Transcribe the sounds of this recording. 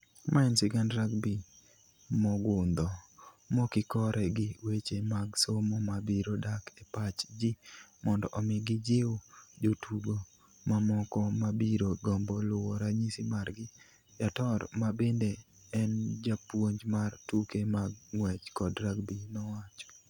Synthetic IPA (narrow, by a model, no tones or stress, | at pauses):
mʔaɛnsɪɡandɾaɡbi | mɔɡʊnd̪ɔ | mɔkɪkɔɾʔɛɡɪwet͡ʃemaɡsomomabiɾodakepat͡ʃd͡ʒɪmɔndɔʔɔmɪɡɪd͡ʒɪwd͡ʒotʰuɡo | mamɔkɔmabiɾoɡɔmbɔlʊwɔɾaɲisimarɡɪ | jatɔrmabende | ɛnd͡ʒapwoɲd͡ʒmartukemaɡŋwɛt͡ʃkɔdɾaɡbinɔwat͡ʃɔ̥